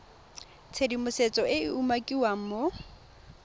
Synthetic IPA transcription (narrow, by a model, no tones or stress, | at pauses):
t͡sʰedimʊset͡sʼɔɪɪumakʼiwaŋ̩mo